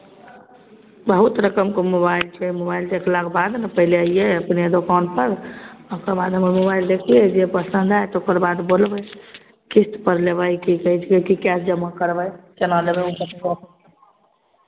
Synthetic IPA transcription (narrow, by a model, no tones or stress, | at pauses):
bəɦut̪ɾəkəmkomobailt͡ʃʰɛmobailt̪eklakbad̪nepəɦileəjjeəpned̪okawnpəɾokəɾbad̪ʱɦəmemobaild̪ekʰied͡ʒepəsə̃nd̪ʱajt̪okəɾbad̪bolbə | kist̪pəɾleβəjkikəɦit͡ʃʰkekikɛsd͡ʒəmːakəɾbəjt͡ʃənalebɛukəsʰekop